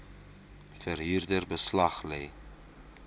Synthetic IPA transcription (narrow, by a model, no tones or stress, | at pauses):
fəɾɦiːrdərbəslɐχlɛ̰j